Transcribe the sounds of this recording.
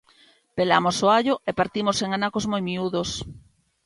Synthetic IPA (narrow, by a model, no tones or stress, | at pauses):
pelamosoaʎoʔepaɾt̪imoseŋanakozmojmiuðos